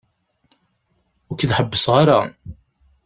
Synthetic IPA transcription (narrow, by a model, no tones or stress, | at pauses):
ʊkðħəbːəsʁaɾa